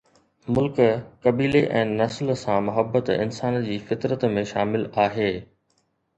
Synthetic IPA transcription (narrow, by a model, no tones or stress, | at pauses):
mʊlkkɐbiːleʔɛ̃ːnɐslsãmʊɦəbːət̪ɪ̰nsaːnd͡ʑiːfɪt̪ɾət̪mẽʃaːmɪlaːɦeː